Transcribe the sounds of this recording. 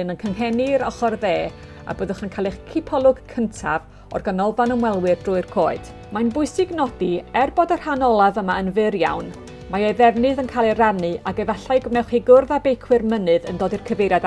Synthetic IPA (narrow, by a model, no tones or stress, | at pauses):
ɨnənkʰəŋɦɛniɾɔχɔrðeː | a̰bəðʊχənkʰalˠɪχkʰɪpʰɔlˠʊɡ̥kʰəntʰa̰v | ɔ̰rɡənɔlˠvanəmwɛlˠwɨrdrʊːɨrkʰoːɨd̥ | manbʊɨsɪɡnɔdiɛrbɔdər̥hanɔlˠavəmaənvɪɾja̰wn | majeðɛvnɨðənkʰaːlˠiranɨʔaɡɛvaɬajɡwnɛwχiɡʊrðabejkʰwɨrmənɨðə̰ndoːdirkʰəvejɾjad